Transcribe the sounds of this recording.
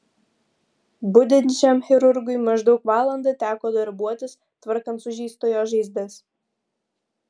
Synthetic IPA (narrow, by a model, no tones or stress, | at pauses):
bʊd̪ʲɪnʲt͡ʃʲɛmxʲɪɾʊɾɡʊjmɐʒd̪ɒʊkʋɑːlˠɐnd̪ɐt̪ʲæːkoːd̪ɐɾbuɔt̪ʲɪs | t̪ʋɐɾkɐnt̪sʊʒʲiːst̪oːjoːʒɐɪzʲd̪ʲɛs